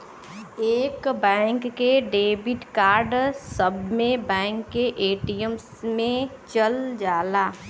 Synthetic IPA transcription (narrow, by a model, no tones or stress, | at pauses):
eːkbɛ̃ːŋkːeɖeːbɪʈkaːɾɖsəbʱmẽbɛ̃ːŋkːeʔeːʈijəmsmẽt͡ʃəld͡ʒaːlaː